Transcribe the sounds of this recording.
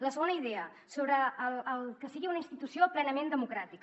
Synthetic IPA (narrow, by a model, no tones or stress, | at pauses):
ləsəɣonəiðeə | soβɾəːlːlˠkəsiɣiunəinst̪it̪usioplɛnəmend̪əmukɾat̪ik